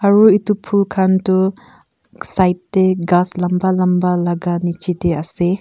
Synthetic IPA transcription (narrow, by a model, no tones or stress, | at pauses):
aɾuitupʰulkʰantu | sajtːeɡaslɐmbalɐmbalaɡanit͡ʃitease